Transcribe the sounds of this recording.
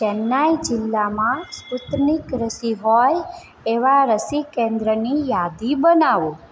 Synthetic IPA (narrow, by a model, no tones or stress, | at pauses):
t͡ʃɛnːajd͡ʒɪlːamãsput̪nikɾəsiɦɔj | eʋaɾəsikẽnd̪ɾənijad̪ibənaʋũ